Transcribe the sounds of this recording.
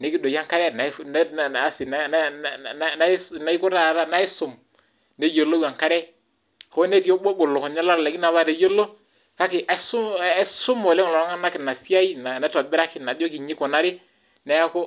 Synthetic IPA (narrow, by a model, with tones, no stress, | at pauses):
ne˨˦kɪ˦do˨ja˦ŋka˦ɾɛ˦na˨˦n˦˨a˦sɪ˨n˦n˦ | na˦na˨i˦kʊ˦ɾa˦˨ɾa˦na˨˦ɪ˦sʊ˨m | ne˦jo˨lo˦wa˨ŋka˦ɾɛ˦ | ko˦ne˦ti˦o˦bo˦ɡo˨lo˨ko˨ɲa˦la˦ɾlɛ˨ki˦na˨βa˦ɾe˨jo˦lo˦ | ka˦kɪ˨ʔa˦sʊ˦sʊ˦mɔ˨lɛ˦ŋ˨lɔ˨˦ŋa˦na˦kɪ˨na˨si˦a˦i˦na˨na˦tɔ˨bɛ˦ɾa˦kɪ˨na˨do˦ki˨ɲi˦kɔ˨na˦ɾɪ˦ | nɛ˨˦ja˦ko˦